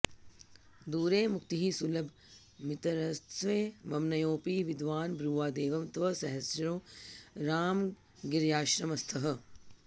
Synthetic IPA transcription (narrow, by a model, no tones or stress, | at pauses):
d̪uːɾeːmuk̚t̪iɦisulɐb | mit̪ɐɾɐst̪ʋeːʋɐmnɐjoːpiːʋid̪ʋaːnbɾuːʋaːd̪eːʋɐmt̪ʋɐsɐɦɐsjɾoːɾaːm | ɡiɾjaːʃɾɐmɐst̪ʰɐɦɐ̆